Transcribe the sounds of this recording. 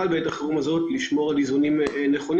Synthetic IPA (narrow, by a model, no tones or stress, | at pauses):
albeetaχeʁumazo̞tliʃmo̞ʁalizunimneχo̞n